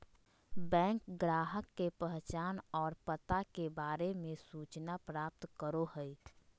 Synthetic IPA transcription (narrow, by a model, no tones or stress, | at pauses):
bɛ̃ːŋkɡɾaːɦəkːepəɦt͡ʃaːnɔːɾpət̪akebaːɾemẽsuːt͡ʃnapɾaːp̚t̪kəɾoɦəi